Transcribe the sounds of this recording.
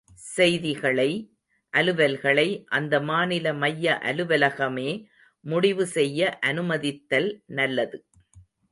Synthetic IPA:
sɛjðɪɣɐɭɐɪ | ʔɐlɯʋɐlɣɐɭɐɪʔɐnd̪ɐmaːnɪlɐmɐjːɐʔɐlɯʋɐlɐɣɐmeː | mʊɽɪʋɯsɛjːɐʔɐnɯmɐðɪt̪ːɐlnɐlːɐðɯ

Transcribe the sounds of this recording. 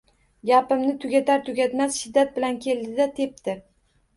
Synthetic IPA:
japɪmnɪt̪ʰʊɡʲat̪ʰaɾt̪ʰʊɡʲat̪masʃɪd̪ːat̪̚bɪlankʲʰe̞ld̪ɪd̪at̪ʰe̞p̚t̪ʰɪɾ

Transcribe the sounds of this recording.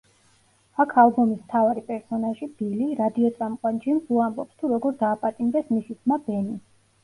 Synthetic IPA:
akʰalˠbɔmismt̪ʰavaɾipʼɛɾsɔnaʒib̥iliɾad̪iɔt̪sʼamqʼwand͡ʒimzuambɔpst̪ʰuɾɔɡɔɾd̪aːpʼat̪ʼimd̪ɛsmisit̪ʰmabɛni

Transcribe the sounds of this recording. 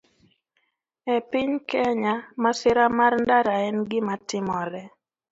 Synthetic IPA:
ɛpɪɲkɛɲamasɪɾamarndaɾaɛnɡɪmatɪmɔɾɛ

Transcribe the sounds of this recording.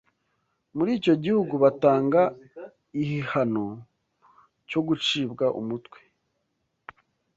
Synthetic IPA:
muɾiːco̞ɟihuɡuβataːŋɡa | ihihano | co̞ɡut͡ʃiːbɡaʔṵmutkwe̥

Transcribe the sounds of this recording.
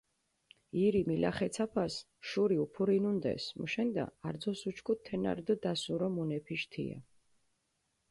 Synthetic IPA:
iɾimilʔa̰χɛt̪sʰapʰas | ʃuɾiupʰuɾinund̪ɛ̰smuʃɛnd̪a̰aɾd̪zɔsut͡ʃʰkʰutt̪ʰːɛna̰ɾd̪ɔd̪asuɾɔmunɛpʰiʃt̪ʰḭa̰

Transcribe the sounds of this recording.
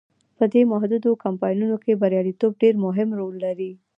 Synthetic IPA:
pəd̪emaɦd̪ud̪okampɑjnunokebəɾjɑɽit̪ob̚ɖeɾmʊɦɪmɾolːaɾi

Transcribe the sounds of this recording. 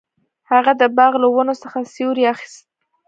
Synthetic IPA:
haɣad̪əbɑɣlawənosəxasjoɾiaxi̥st̪̚

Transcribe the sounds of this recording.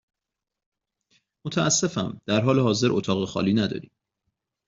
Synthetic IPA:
mot̪ʰæʔæsːe̞fæmd̪̥æɾɦɒːleɦɒːze̞ɾʔot̪ʰɒːɣexɒ̰ːliːnæd̪ɒ̰ːɾḭːm

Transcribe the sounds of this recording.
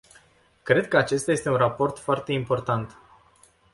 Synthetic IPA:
kɾe̞d̪̚kəat͡ʃe̞st̪aje̞st̪e̞unrapo̞rt̪foart̪e̞impo̞rt̪ant̪

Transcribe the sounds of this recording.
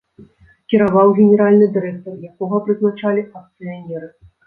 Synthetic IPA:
kʲiɾavawɣʲɛnʲɛɾalʲnɨd̪ɨɾɛk̚t̪ɐrjakɔɣɐpɾɨznat͡ʂalʲiɐk̚t̪sɨjanʲɛɾɨ

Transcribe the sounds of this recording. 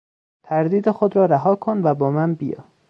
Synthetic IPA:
t̪ʰæɾd̪iːd̪exod̪ɾɒːɾæɦɒːkʰonvæbɒːmænbijɒ̰ː

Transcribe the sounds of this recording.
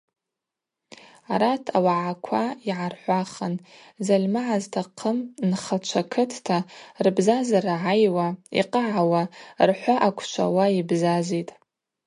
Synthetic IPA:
aɾatʰawaʕakʷʰaiʕarħʷaχən | zalʲmaʕaztʰaqʰəmnχat͡ʃʷʰakʰɨtʰtʰarbzazarʕajwaḭqʼaʕawarħʷaʔakʷʰt͡ʃʷʰa̰waibzazitʼ

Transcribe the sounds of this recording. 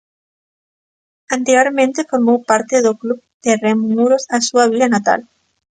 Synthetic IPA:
ant̪eɾjoɾmẽnt̪efoɾmowpaɾt̪eðoklub | d̪̥eremumuɾosasuaβ̞ilanat̪a̰l

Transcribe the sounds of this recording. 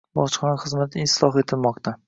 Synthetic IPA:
bɒt͡ʃχɒnaχɨzmat̪ʰɪɪslˠɒχe̞t̪ʰɪlmɒqt̪ʰa

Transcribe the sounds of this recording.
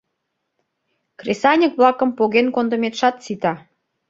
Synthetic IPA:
kresɑnʲə̆kβlˠɑkə̆mpoɣenkond̪ə̆met̪ʃɑt̪t͡sit̪ɑ

